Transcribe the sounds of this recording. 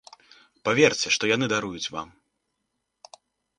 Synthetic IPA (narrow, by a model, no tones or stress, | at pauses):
pavʲɛrt͡sʲɛʂt̪ɔjanɨd̪aɾujut͡sʲva̰m